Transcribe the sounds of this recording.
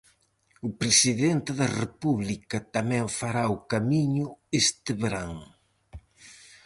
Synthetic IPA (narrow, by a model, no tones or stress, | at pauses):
ʊpɾesiðent̪ɪðɐrepuβlikɐt̪amɛ̃ɱfaɾaukamiɲʊest̪ɪβeɾaŋ